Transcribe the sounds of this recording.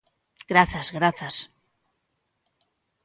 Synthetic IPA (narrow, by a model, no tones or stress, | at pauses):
ɡ̥ɾaθazɣɾaθas